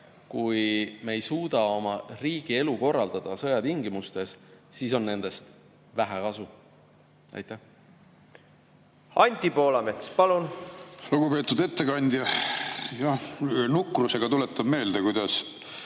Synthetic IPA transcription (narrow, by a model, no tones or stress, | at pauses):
kujmejsuːd̪̥ɑo̞mɑriːɡ̥ie̞luko̞rːɑld̪̥ɑd̪̥ɑsɤ̞jɑt̪iŋɡimust̪e̞ssiːs̬o̞nːe̞nd̪̥e̞st̪ | væɦækɑsu | ḛjt̪ːˑæ | ɑnʲt̪ʲipo̞ːlɑmet̪spɑlunluɡ̥upe̞ːt̪ːˑud̪e̞t̪ːe̞kɑnʲd̪̥ʲjɑ | jɑhnukːˑruse̞ɡ̥ɑt̪ulet̪ːˑɑb̥me̞ːld̪̥ekujd̪̥ɑs